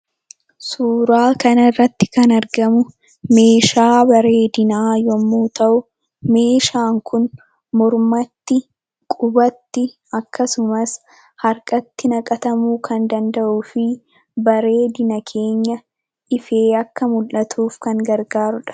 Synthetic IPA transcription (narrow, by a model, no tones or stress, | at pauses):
suːɾaːkɐnɐrːɐt̪ːɪ̥kɐnɐɾɡɐmʊ | me̞ːʃaːbɐɾe̞ːd̪ɪnaːjɔmːuːt̪ɐʔʊ | me̞ːʃaːŋkʰʊn | mɔɾmɐt̪ːɪ | kʼʊbɐt̪ːɪ | ɐkːɐsʊmɐs | hɐɾkʼɐt̪ːɪnɐkʼɐt̪ɐmuːkʰɐnd̪ɐnd̪ɐʔuːfɪ | bɐɾe̞ːd̪ɪnɐkʰe̞ːɲːɐ | ʔɪfe̞ːɐkːɐmʊlʔɐt̪ʰuːfkɐŋɡɐɾɡaːɾʊᶑɐ̥